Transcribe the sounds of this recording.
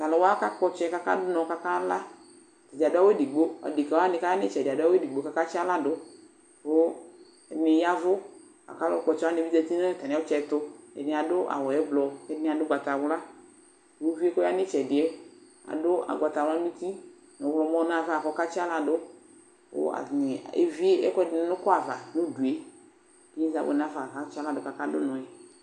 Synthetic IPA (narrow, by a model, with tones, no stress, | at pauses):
t̪a˨lɔ˨˦wa˦ka˦k͡pɔ˧t͡ʃɛ˦ka˦ka̰˦dʊ˦nɔ̃˨˧ka˦ka˦la˦˨ | t̪ɛ˨da˨dʊ˦a˦we˦di˨ɡ͡bo˦a̰˨di˨ka˨wa˦nɪ̃˨˧ka˦a˦nɪ˦t͡ʃɛ˨dɪ˨a˨dʊ˦a˦we˦di˨ɡ͡bo˦ka˦ka˦t͡ʃɪ˦a˦la˦dʊ˦ | o˦ | ɛ˨nɪ˨ja˦vʊ˦ | ka̰˨ka˦lɔ˦k͡pɔ˨t͡ʃɛ˧˨˦a˦nɪ˨vi˦dɛ˧t̪i˦nɛ̃˦˨t̪a˨nɪ̃˨˦ɔ˦t͡ʃɛ˧˦t̪ʊ˧ɛ̰˨nɪ̃˨a˨dʊ˦ʔa̰˨wɔ˨ɛ˦blɔ˨ɛ˦nɪ̃˨˦a˨dʊ˦ɡ͡ba˨t̪a˨wla˦˨ | o˦vi˦e˦kɔ˦a˦nɪ̃˦t͡ʃɛ˨dɪ˨ɛ˦ | a̰˨dʊ˦a̰˨ɡʷa˨t̪a˨wla˦ĩ˦t̪i˦˨ | nʊ̃˨˦wlɔ˨˦mɔ̃˦nã˦˨va˦˨kɔ˦ka˦t͡ʃa˦la˨dʊ˦ | wo̰˦a̰˨ɲɪ˨ḛ˦vi˦e˦ɛ˦knɪ˨˦nʊ̃˦kɔ˦a˨va̰˨nʊ̃˦du˨e˦ | ki˦i˦za̰˦bo̰˨n˦ã˦fa˨va˦t͡ʃa˦la˨dʊ˦ka˨ka˦dʊ̰˦nʊ̃˨ɛ˨